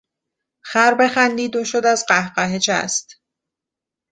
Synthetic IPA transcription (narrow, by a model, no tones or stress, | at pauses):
xæɾbe̞xænd̪iːd̪oʃod̪æzɢæhɢæɦet͡ʃʰæ̰st̪